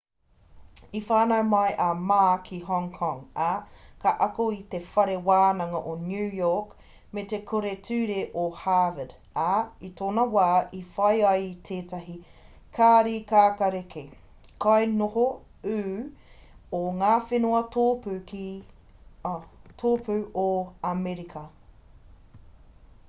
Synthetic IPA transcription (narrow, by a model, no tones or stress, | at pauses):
ifaːnɐjmɐjʔɐmaːkʰiɦɔŋkʰɔŋakɐʔɐkoit̪efɐɾewaːnɐŋɐʔonjʉːjɔːk | met̪ekʰoɾetʰʉːɾeʔohaːvəd | aitʰoːnɐwaːʔifɐjɐjtʰeːtɐɦi | kʰaːɾikaːkɐɾekʰe | kɐjnoho | ʉː | oŋaːfenoɐtoːpʉki | tʰoːpʰʉʔoamɛɾikʰɐ